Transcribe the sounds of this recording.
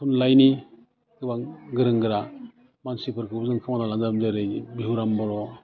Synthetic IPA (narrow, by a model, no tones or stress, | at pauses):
kʰunlajni | kɯbaŋɡɯɾɯŋɡɯɾa | mansipʰɯɾkʰɯzɯŋpʰaŋanalaŋdamzɯɾɯjbiuɾambɔɾɔ